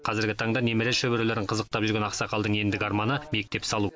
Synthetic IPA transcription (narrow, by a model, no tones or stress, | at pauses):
qʰɑzɪɾɡʲɪt̪ʰɑɴd̪ɑne̞meɾeʃɵbɪɾeleɾɪɴqʰəzəq̚t̪ɑpʒʏɾɡʲe̞nɑqsɑqɑlˠd̪əɴe̞nd̪ɪɡʲɑɾmɑnəme̞k̚t̪e̞psɑlˠu